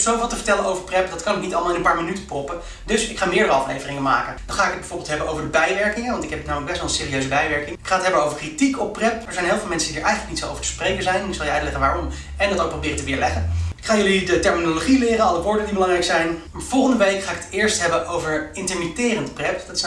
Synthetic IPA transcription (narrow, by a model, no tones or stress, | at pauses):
sowvɪlˠtəvəɹtɛlənowvəɹprɛpdɑtkɑnɪknitɑlˠmlˠɪnəmpaːɹminytə̥prɔpə | dɵsɪkχaːmɪːɹdəɾəɑflḛjvərɪŋəma̰ːkənd̥ɑnχaːɪkət̚bɛjvʊɹbɪlˠtɦɛbənowvəɹdəbɛjʋɛɹkɪŋəʋɑntɪkɦɛpətnaːwmələɡbɛstʋɛlˠnsɪːrijøɥzəbɛjʋɛɹkɪŋɪkχaːətɦɛbəowvəɹkritikɔpːrɛpɛɹzɛjnɦɪlˠvɪlˠmɛnsədidəɹʔɛjχənləknitso̰wvəɹtə̥sprejkənzɛjnnɪksɑlˠjəœɥtlɛχənʋaːrɔm | ɛndɑtowk̚probɪːrətəʋɪːɹlɛχəɪkχaːjɵlidətɛɹminoloχilɪːrənɑlˠəʋʊːɹdəndibəlɑŋrɛjksɛjnmaːɹv̥ɔlˠχəndəʋejkχaːɪkətɪːɹstɦɛbənʔowvəɹɪntəɹmitɪːrəntprɛpdɑt